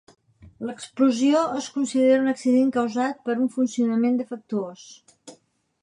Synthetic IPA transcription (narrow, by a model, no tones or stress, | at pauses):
ləkspluzioəskunsiðeɾəunəksiðeŋkəwzat̪̚pəɾuɱfunsiunəmend̪əfək̚t̪uos